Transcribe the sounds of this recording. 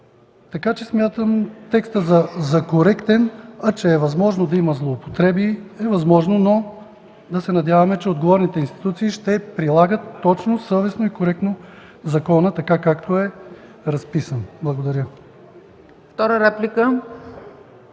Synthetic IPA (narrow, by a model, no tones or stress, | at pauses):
t̪ɐkat͡ʃɛsmʲjat̪əmt̪ɛkst̪əzɐzɐkoɾɛkt̪ɛnɐt͡ʃɛːvɐzmɔʒnod̪ɐimɐzlˠoːpo̥t̪ɾɛbiɛvɐzmɔʒnono | d̪ɐsɛnɐd̪ʲjavɐmɛt͡ʃɛod̪ɡovɔɾnit̪ɛinst̪i̥t̪ut̪siːʃt̪ɛpɾilˠaɡət̪ːɔt͡ʃnosɤvɛsnoikoɾɛk̚t̪no | zɐkɔnət̪ɐkakakt̪oɛɾɐspisənblˠɐɡod̪ɐɾʲjə | ft̪ɔɾəɾɛplʲikə